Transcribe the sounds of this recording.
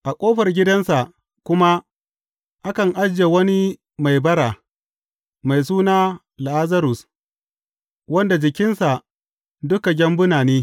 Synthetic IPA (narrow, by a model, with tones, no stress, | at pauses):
ʔa˨kʷʼoː˦ɸɐ˨rɡʲɪ˦dɐ˦nsa˨ʔ | kʷʊ˦ma˦ | ʔa˦kɐ˨ŋʔa˦d͡ʒe˨wɐ˦ni˦ | ma˨jbɐ˦ɾaː˨ | ma˨js̬uː˦naː˦ | la˨ʔa˦zɐ˦ɾʊ˨s | wɐ˦nda˨d͡ʒɪ˨kʲɪ˦nsa˨ | dʊ˦ka˨ɡʲɐ˦mbʊ˦naː˨neː˦